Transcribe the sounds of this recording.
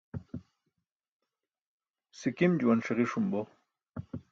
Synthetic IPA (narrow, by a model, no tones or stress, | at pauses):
sikimd͡ʑuwanʂeʁiʂumbo